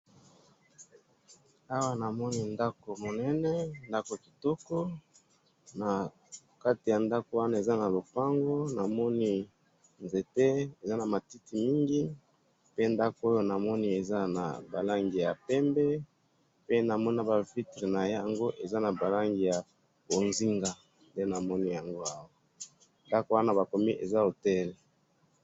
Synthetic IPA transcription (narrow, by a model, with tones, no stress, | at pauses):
a˦wa˦na˨mɔ˦ni˦nda˦ko˨mo˨nɛ˦nɛ˦nda˦ko˨ki˨tɔ˦kɔ˦ | na˨ | ka˦ti˨ja˨nda˦ko˨wa˦na˦˨e˨za˦na˨lo˨pa˦ŋɡo˦na˨mɔ˦ni˦ | nze˨te˦e˨za˦na˨ma˨ti˦ti˨mi˦ŋɡi˦ | pe˦nda˦ko˦o˦jo˦na˨mɔ˦ni˦e˨za˦na̰˨ba˨la˦ŋɡi˨ja˨pɛ˦mbɛ˦ | pe˦na˨mɔ˦na˦ba˨vi˦tʁe˨na˨ja˨ŋɡo˦ʔe˨za˦na˨ba˨la˦ŋɡi˨ja˨ | bo˨nzi˦ŋɡa˦ | nde˦na˨mɔ˦ni˦ja˨ŋɡo˦a˦wa˦ | nda˦ko˦wa˦na˦ba˨ko˨mi˦ʔḛ˨za˦o˨tɛ˦lɛ˨